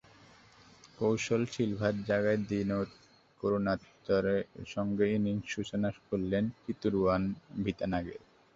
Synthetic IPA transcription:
kowʃolʃilbʱaɾd͡ʑaɡaed̪inoɾ | koɾonat̪ːoɾeʃɔŋɡeiniŋʃut͡ɕonaʃkolːent̪it̪uɾuanbʱit̪anaɡeɾ

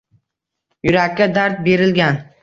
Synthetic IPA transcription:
jʊɾakʲːad̪aɾt̪̚be̞ɾɪlɡʲan

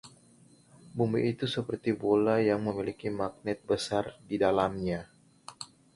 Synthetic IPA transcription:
bumiʔːt̪usəpərt̪ibolajaŋməmilikimak̚nɛt̪̚bəsardidalamɲa

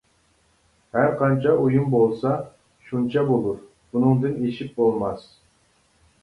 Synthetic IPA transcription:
hæɾqʰɑnt͡ʃʰɑʔujumbolˠsɑ | ʃunt͡ʃʰɑbolˠuɾ | bunɨŋd̪ɨneʃip̚bolˠmɑs

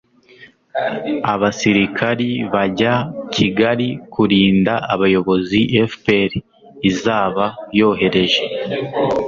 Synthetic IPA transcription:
aβasiɾikʰaɾiβaɟacʰiɡaɾikuɾiːndaaβajo̞βo̞ziʔefpeɾ | izaːβajo̞ːɦe̞ɾe̞ʒe̞

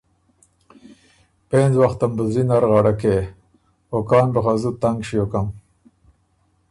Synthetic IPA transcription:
peːnzwaxt̪ambəzinaɾɣɑɽake | okɑːnbəxazut̪aŋɡʃijokam

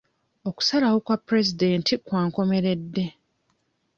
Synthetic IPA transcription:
o̞ku̥salawokwapːɾe̞zideːntʰikwaːŋko̞me̞ɾe̞dːe̞

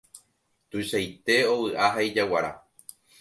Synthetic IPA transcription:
t̪uʃajt̪e̞o̞wɨʔaɦaid͡ʒawaɾa̰

